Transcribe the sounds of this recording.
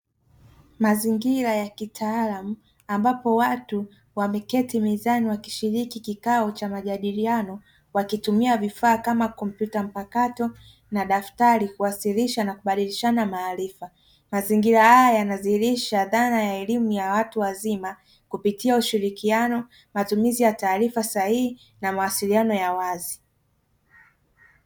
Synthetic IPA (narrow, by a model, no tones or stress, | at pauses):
maziŋɡiɾajakitʰaalamu | ambapɔwatu | wamɛkɛtimizaniwaki̥ʃiɾikikikaɔt͡ʃamaʄaɗilianɔ | wakitumiavifaːkamakɔm̩pjutam̩pakatɔ | naɗaftaɾikuwasiliʃanakuɓaɗiliʃanamaːɾifa | maziŋɡiɾahajajaanazihiɾiʃaðanajaɛlimujawatuwazima | kupitiauʃiɾikianɔ | matumizijataːɾifasahii | namawasilianɔjawazi